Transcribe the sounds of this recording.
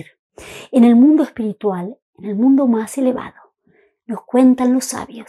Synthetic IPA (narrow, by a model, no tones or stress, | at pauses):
ɾ | enelmũnd̪oespiɾit̪wal | enelmũnd̪omaseleβa̰ðo | noskwe̞nt̪anlosːa̰βjo